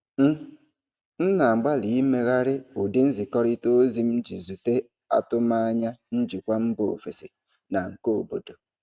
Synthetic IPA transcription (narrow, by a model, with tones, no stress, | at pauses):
n̩˦ | n̩˦na˨ɡ͡ba˦li˨i˦me˦ɣa˦ɾɪ˦u˨de˦n̩˦zi˨kɔ˦ɾɪ˦to˦zi˨m̩˦d͡ʒi˨zu˨te˦ | a̰˦tʊ˦ma˦a˦ɲa˦n̩˦d͡ʒi˨kʷa˦m̩˦bo˨o˨fe˨sḛ˨ | na˨ŋ̩˨ko˦o˨bo˨do˨